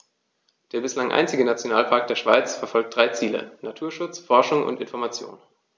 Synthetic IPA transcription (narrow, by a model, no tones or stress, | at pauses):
d̥eːɐbɪslaŋʔa̰ɪnt͡sɪɡənat͡sjonaːlpʰaɐk̚d̥eːɐʃv̥a̰ɪt͡sfɛɐfɔlk̚t̚d̥ʁaɪt͡siːlə̰natʰuːɐʃʊt͡sfɔɐʃʊŋʔʊ̰ntɪnfɔɐmat͡sjo̰ːn